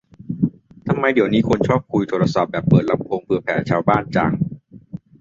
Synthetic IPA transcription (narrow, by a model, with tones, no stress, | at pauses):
t̪ʰa˧mːa˧jdi˨˩˦əwniː˦˥kʰo˧nt͡ɕʰɔː˥˩p̚kʰu˧jt̪ʰoː˧ɾa˧sa˨˩p̚bɛː˨˩pːɤː˨˩t̪̚la˧mkʰo˧ŋpʰɯ˧ɐpʰɛ̰ː˩˦t͡ɕʰaː˧wbaː˥˩nt͡ɕa̰˧ŋ